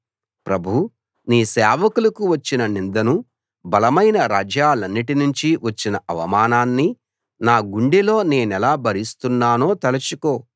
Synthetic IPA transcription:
pɾɐbʱu | niːsɛːʋɐkulɐkuʋɐt͡ʃːinɐnind̪ɐnu | bɐlɐmɐjnɐɾaːd͡ʒjaːlɐnːiʈinuɲt͡ʃiʋɐt͡ʃːinɐɐʋɐmaːnaːnːi | naːɡuɳɖilo̞ːne̞ːnɛlaːbɐɾist̪unːaːno̞ːt̪ɐlɐt͡ʃuko̞ː

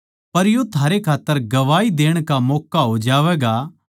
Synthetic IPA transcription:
pɐɾjot̪ʰaːɾekʰaːt̪ːəɾɡɐʋaːid̪eːəɽ̃kamɔːkːaɦod͡ʒaːʋɛːɡa

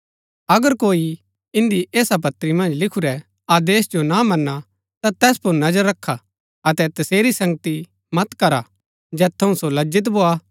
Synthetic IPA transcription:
ɐɡəɾkoːi | ɪ̃nd̪iʔeːsap̬ɐt̪ːɾimɐ̃nd͡ʒlɪkʰuɾɛ | aːd̪eːsd͡ʒonamɐnːa | t̪at̪ɛːspʊɾnɐd͡ʒəɾːɐkʰːa | ɐt̪ɛt̪ɐseːɾisɐ̃ŋɡət̪i | mɐt̪kɐɾa | d͡ʒɛːt̪ʰːɐũsolɐd͡ʒɪt̪̬boa

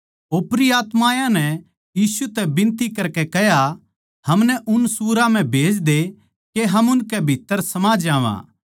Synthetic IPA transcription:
oːpɾiaːt̪mãːjãnɛ | jiːsut̪ɛbɪ̃nt̪ikɐɾkɛkɛɦja | hɐmnɛʔʊnsuːɾãm̤ɛ̃bʱeːd͡ʒd̪e | keɦɐmʊnkɛbʱit̪ːəɾsɐmaːd͡ʒãːʋã̰ː

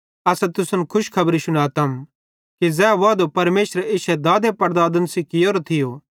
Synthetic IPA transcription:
ɐsɛt̪ʊsɐnkʰʊʃkʰɐbɾisʊñaːt̪ɐm | kizɛːʋaːd̪opɐɾmeːʃɾeɪʃɛd̪aːd̪epɐɾd̪aːd̪ənsikɪjoːɾot̪ʰɪjo

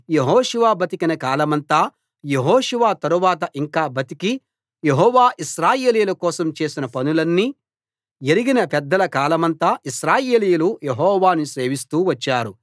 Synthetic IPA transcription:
jeɦɔːʃuʋaːbɐt̪ikinɐkaːlɐmɐnt̪aː | je̞ɦɔːʃuʋaːt̪ɐɾuʋaːt̪̬ɐʔiŋkaːbɐt̪iki | je̞ɦɔːʋaːʔiʃɾaːje̞ːlijulɐkɔːsɐmt͡ʃe̞ːsinɐpɐnulɐnːi | eɾiɡinɐpɛd̪ːɐlɐkaːlɐmɐnt̪aːʔiʃɾaːjeːlijuluje̞ɦɔːʋaːnise̞ːʋist̪uːʋɐt͡ʃːaːɾu

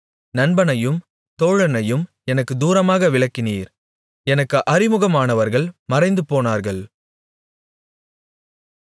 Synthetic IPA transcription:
nɐnbɐnɐjɯm | t̪oːɻɐnɐjɯm | ɛnɐkːɯd̪uːɾɐmaːɣɐʋɪɭɐkːɪniːɾ | ɛnɐkːɯʔɐrɪmɯɣɐmaːnɐʋɐɾɣɐɭmɐɾɐɪnd̪ɯpoːnaːɾɣɐɭ

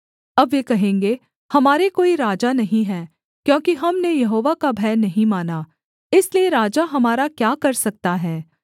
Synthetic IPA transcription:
ɐbʋeːkɐɦẽːŋɡe | hɐmaːɾekoːiɾaːd͡ʒanɐɦĩɦɛ̃ː | kjõːkiɦɐmnejɐɦoːʋakabʱɛːnːɐɦĩmaːnaː | ɪslieɾaːd͡ʒaɦɐmaːɾakjaːkɐɾsɐk̚t̪aɦɛː

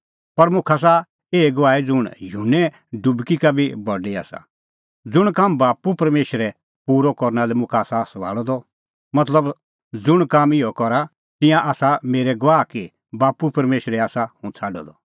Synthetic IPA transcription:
pɐɾmʊkʰas̬a | eːɡʋaːid͡zʊɽ̃juːnɛ | ɖʊbkikabʱibɔɖia̰ːsa̰ | d͡zʊɽ̃kaːmbaːpupɐɾmeːʃɾɛ | puːɾɔkɔɾnalɛmʊkʰaːsasʋa̰ːɭɔd̪ɔ | mɐt̪ləb | d͡zʊɽ̃kaːmɪjɔkɔɾa | t̪ɪ̃jãʔaːsameːɾɛɡʋaːki | baːpupɐɾmeːʃɾɛaːsahʊ̃t͡sʰaːɖɔ̰d̪ɔ

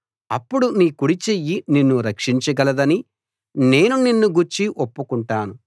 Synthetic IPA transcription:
ɐpːuɽuniːkuɽit͡ʃejːininːuɾɐkʂiɲt͡ʃɐɡɐlɐd̪ɐni | ne̞ːnuninːuɡuɾt͡ʃiʔopːukuɳʈaːnu

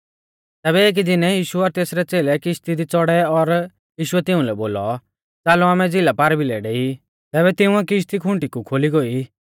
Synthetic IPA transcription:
t̪ɛːβɛeːk̬idɪnɛjiːʃuɔɾt̪eːsɾɛt͡seːlɛkɪʃt̪id̪it͡sɔɽɛɔɾ | jiːʃʊɛt̪ɪũlɛboːlɔ̰ | t͡saːluaːmɛd͡zɪlapaːɾbʱilɛɖeːi | t̪ɛːbɛt̪ɪũãkɪʃ̬t̪ikʰʊ̃ɳʈikukʰoːliɡoi

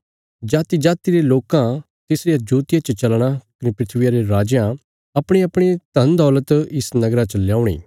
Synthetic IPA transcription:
d͡ʒaːt̪id͡ʒaːt̪iɾeloːkã | t̪ɪsɾijad͡ʒuːt̪ɪjat͡ʃət͡ʃɐlɽ̃akɐnipɾɪt̪ʰʋijaɾeɾaːd͡ʒjã | ɐpɽ̃eɐpɽ̃et̪ɐ̃nd̪ɔːlət̪ɪsnɐɡɾat͡ʃɐljaːʊɽ̃ḭː

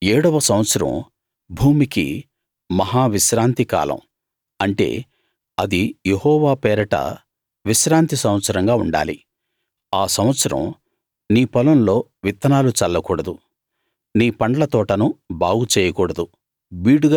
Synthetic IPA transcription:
eːɽɐʋɐsɐmʋɐt̪sɐɾɐ̰m | bʱuːmikḭ | mɐɦaːʋiʃɾaːnt̪ika̰ːlɐ̰m | ɐɳʈe̞̰ː | ɐd̪ijehɔːʋaːpɛːɾɐʈɐ̰ | ʋiʃɾaːnt̪isɐm̃ʋɐt̪sɐɾɐŋɡaːuɳɖa̰ːlḭ | aːsɐmʋɐt̪sɐɾɐ̰m | niːpɐlɐmlo̞ːʋit̪ːɐnaːlut͡ʃɐlːɐkuːɽɐd̪u | niːpɐɳɖɐlɐt̪ɔːʈɐnubaːɡut͡ʃeːjɐkuːɽɐd̪u | ʋiːɽuɡa

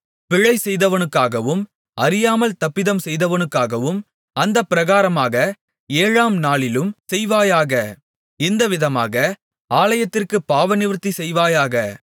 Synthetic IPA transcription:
pɪɻɐɪsɛjðɐʋɐnɯkːaːɣɐʋɯm | ɐɾɪjaːmɐlt̪ɐpːɪðɐmsɛjðɐʋɐnɯkːaːɣɐʋɯm | ɐnd̪ɐpːɪɾɐɣaːɾɐmaːɣɐ | eːɻaːmnaːɭɪlɯmsɛjʋaːjaːɣɐ | ɪnd̪ɐʋɪðɐmaːɣɐ | aːlɐjɐt̪ːɪrkɯpːaːʋɐnɪʋɾɯt̪ːisɛjʋaːjaːɣɐ

